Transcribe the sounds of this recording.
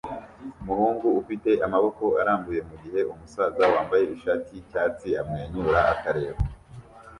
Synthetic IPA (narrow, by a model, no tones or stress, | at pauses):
umuhuːŋɡuufite̞ʔamaβo̞ko̞aɾaːmbuje̞muɟihe̞ʔumusaːzawaːmbaje̞iʃaːtʰicaːt͡siamŋeːɲuɾaakaɾe̞ːβo